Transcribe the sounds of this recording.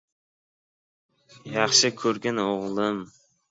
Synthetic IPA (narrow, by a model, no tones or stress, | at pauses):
jɑχʃɪkʲʰɵɾɡʲanoʁlˠɪm